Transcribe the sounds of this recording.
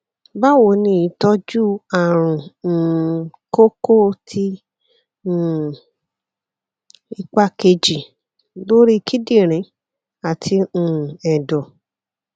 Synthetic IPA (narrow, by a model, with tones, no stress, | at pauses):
ba˦wo˧˨nĩ˦˨i˨˧˦tɔ˦d͡ʒu˦a˨ɾ̃ũ˨ | ko˦ko˦tʰi˦˨ | i˦˧k͡pa˦ke˧d͡ʒi˨ | lo˦ɾi˦˧kʰi˦di˦˨ɾ̃ĩ˨˦ | a˨tʰĩ˧˨ɛ˨dɔ˨